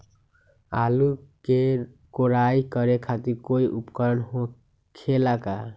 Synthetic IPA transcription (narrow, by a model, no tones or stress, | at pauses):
aluke | koɾajkʌɾekʰat̪iɾkoiʔupkʌɾənɦo | kʰelaka